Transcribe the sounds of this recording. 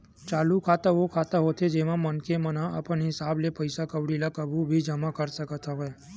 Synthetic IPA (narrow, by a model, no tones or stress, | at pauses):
t͡ʃaːlukʰat̪aʋokʰaːt̪aɦoːt̪ʰed͡ʒeːʋãmənkemənaə̰pənɦɪsaːblepəɪsakəʋɽilakəbʱubʱid͡ʒəmakəɾsəkət̪ʰaɦoe